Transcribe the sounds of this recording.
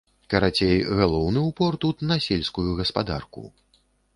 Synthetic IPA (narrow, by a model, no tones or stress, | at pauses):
kɐɾat͡sʲejɣalˠɔwnɨupɔrt̪ut̪nɐsʲelʲskujuɣɐspad̪a̰rkṵ